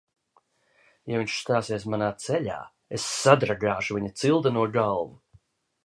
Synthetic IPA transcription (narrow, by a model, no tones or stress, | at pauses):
javiɲʃst̪aːsiɛsmanaːt̪sɛʎa̰ː | esːad̪ɾaɡaːʃuvʲiɲat̪silˠd̪anuɔɡalˠvu